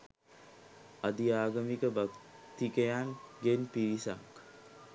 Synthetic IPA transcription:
ad̪iaːɡəmikəbak | t̪ikejaŋɡenpiɾisa̰k

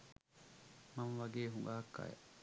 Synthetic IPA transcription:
mɐnʋɐɡeːɦuŋɡaːkːa̰jḛʔ

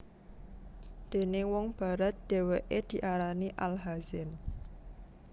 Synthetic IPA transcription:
d̪̥e̤nɪŋwɔŋb̥a̤ɾat̪̚d̪̥e̤weʔed̪̥i̤ʔaɾaniʔalɦaz̥ɛn

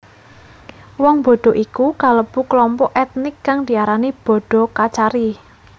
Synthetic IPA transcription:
wɔŋbɔ̤ɖ̥ɔ̤ʔikukaləb̥ukəlɔmpɔʔɛt̪̚nɪkːaŋd̪̥i̤aɾanib̥ɔ̤ɖ̥ɔ̤kat͡ʃaɾi

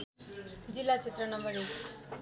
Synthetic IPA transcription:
d͡zilːat͡sʰet̪rʌnʌmʌɾe

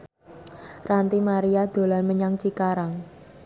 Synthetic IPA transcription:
rant̪imaɾiad̪̥o̤lanməɲaŋt͡ʃikaɾaŋ

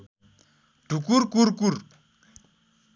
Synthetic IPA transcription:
ɖukuɾkuɾkuɾ

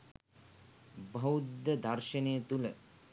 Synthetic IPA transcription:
bʱɐwd̪ʱɐd̪ʱɐɾʃɐneːt̪ulɐ

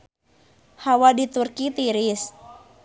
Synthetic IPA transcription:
hawadit̪urkit̪iɾɪs

